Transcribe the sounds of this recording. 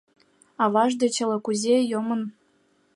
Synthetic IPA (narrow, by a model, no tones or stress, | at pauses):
ɑβɑʒd̪ĕt͡ɕɤ̆lɤ̆kuzʲejomɤ̆n